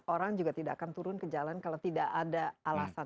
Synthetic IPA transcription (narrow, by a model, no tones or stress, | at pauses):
oɾaŋd͡ʒuɡat̪ida̰ʔkant̪uɾʊnkəd͡ʒalankalawt̪idaʔadaalasa